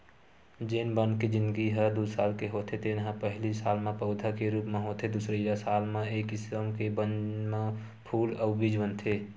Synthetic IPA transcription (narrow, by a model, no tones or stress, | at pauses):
d͡ʒeːnbənked͡ʒɪ̃nd̪ɡiɦəd̪usaːlkeɦoːt̪ʰet̪enɦə̃pəɦlisaːlmẽpəʊd̪ʱakeɾuːpmẽɦoːt̪ʰed̪usɾəjasaːlmãeːkɪsəmkebənmã | pʰuːləːbid͡ʒbənt̪ʰe